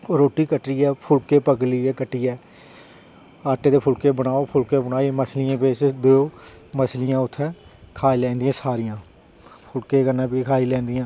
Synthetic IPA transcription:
ɾoːʈːiːkəʈɾiːɛːpʰʊlkeːpəkliːɛːkəʈːiːɛː | aːʈeːd̪eːpʰʊlkeːbəɽaːoːpʰʊlkeːbəɽ̃aːiːməsʰliãːpeːt͡ʃd̪ooː | məslijãːʊt̪ʰːɛːkʰaːilɛ̃ːnd̪ijãːsaːɾijãː | pʰʊlkeːkəɾnɛ̃ːpikʰaːiːlɛ̃ːnd̪ijãː

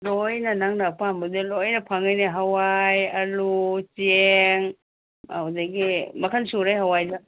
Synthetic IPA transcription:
lojnɐnaŋnapambudelojnɐpʰaŋajniɦawajɐlut͡ʃeŋ | udaɡimɐkʰansuɾajɦawajda

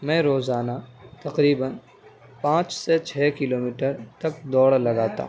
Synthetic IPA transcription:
mɛ̃ːɾoːzaːnat̪ɐqɾiːbən | pãːt͡ʃset͡ʃʰɛːkɪloːmiːʈəɾt̪ɐk̚d̪ɔːɽlɐɡaːt̪a̰ɦ

